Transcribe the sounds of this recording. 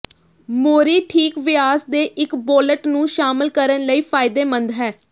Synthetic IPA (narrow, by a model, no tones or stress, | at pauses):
moːɾiːʈʰiːkʋɪaːsd̪eːʔɪkboːləʈnũːʃaːmɪlkəɾənləiːpʰaːɪd̪eːmənd̪ɦɛː